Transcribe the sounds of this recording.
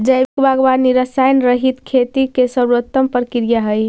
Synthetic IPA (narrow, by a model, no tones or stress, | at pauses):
d͡ʒəjbikbaɡbaniɾəsajnɾəɦit̪kʰet̪ikesəɾuɾət̪ːəmpɾəkiɾijaɦəj